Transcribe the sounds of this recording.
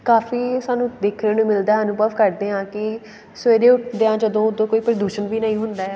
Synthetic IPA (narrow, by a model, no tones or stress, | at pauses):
kaːfiːsaːnũːd̪eːkʰɾeːnũːmɪld̪aːɦaːnũːbəʋkəɾd̪eːãːkɪ | sʋeːɾeːʊʈʰd̪eːãːd͡ʒəd̪õːod̪õːkoːiːpɾd̪uːʃənʋiːnəĩːɦʊnd̪aːɛ